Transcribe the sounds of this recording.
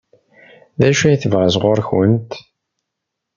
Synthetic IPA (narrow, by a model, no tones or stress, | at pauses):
ðæʃæjθəvʁazʁʊɾçənt̪